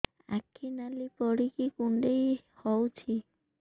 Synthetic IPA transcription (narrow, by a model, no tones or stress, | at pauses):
a̰kʰːinalipɔɽikikuɳɖej | hɔwt͡ʃʰi